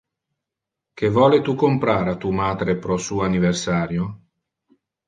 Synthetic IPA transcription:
k̟evɔːlet̪ukompɾaːɾat̪ːuːmaːd̪ɾepɾɔsuːaniversaːɾjo

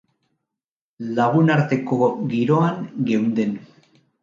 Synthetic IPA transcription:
laɣunaɾt̪e̞ko̞ɡiɾo̞aŋɡe̞wnd̪e̞n

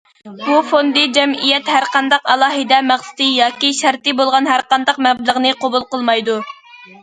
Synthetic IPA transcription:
bufond̪ɨd͡ʒɛmijɛt̪hæɾqɑnd̪ɑqɑlˠɑːɦɨd̪ɛmæχsɨ̥t̪ɨjɑːkʲiʃæɾt̪ɨbolˠʁɑnɦæɾqɑnd̪ɑqmɛblˠəʁnɨqʰobulˠqəlˠmɑjd̪u

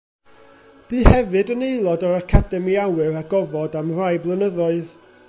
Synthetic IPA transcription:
b̥iːhɛvɨdənejlˠɔdɔɾakʰadɛmiawɨɾaɡɔvɔdamrajblˠənəðɔɨð

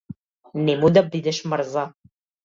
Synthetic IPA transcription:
nemud̪ɐb̚did̪ɐʃmɐrza

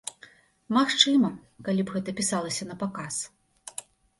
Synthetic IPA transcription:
maxt͡ʂɨmɐkalʲibɣɛt̪ɐpʲisalˠɐsʲɐn̪ɐpakas

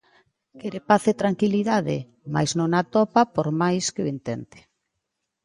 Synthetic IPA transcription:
keɾepaθet̪ɾaŋkiliðaðɪ̰ | ma̰jznõŋat̪ɔpapoɾmajskɪʊent̪ɛnt̪e̥

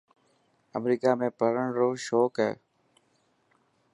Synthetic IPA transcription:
əmɾiːkaːmẽːpəɾəɳɾoːʃoːkɦɛ̰ː

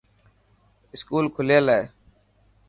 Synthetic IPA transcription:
ɪskuːlkʰʊleːlaeː

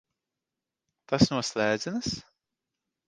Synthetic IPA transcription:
t̪asnuɔslʲˠæːd̪zʲinɨs

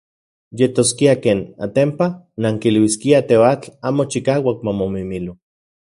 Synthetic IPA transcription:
jet̪oskiakeːna̰t̪empa | naŋkilwiskiat̪eoat͡ɬaːmot͡ʃikaːwak̚mamomimilu

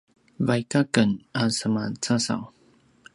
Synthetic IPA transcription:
vajkakənasəmat͡sasa̰w

